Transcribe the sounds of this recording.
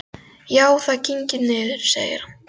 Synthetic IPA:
jaːwθaciɲcɪnɪːðɪɾ̥sḛːjɪ̰ɾ̥

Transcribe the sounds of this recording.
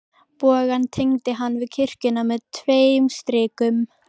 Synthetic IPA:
pɔːɣant̪ʰejŋt̪ɪɦanːvɪðcʰɪr̥cɪnamɛðt̪ʰveːjmst̪ɾɪːkʏm

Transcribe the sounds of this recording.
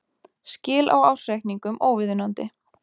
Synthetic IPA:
scɪːlʔa̰waːwsɾejkniŋkʏmʔoːwvɪðʏnant̪ɪ

